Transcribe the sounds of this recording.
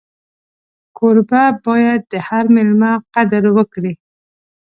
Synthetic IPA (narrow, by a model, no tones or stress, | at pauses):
koɾbabɑjad̪̚ːəhaɾmɪlmaqad̪əɾwəkɽi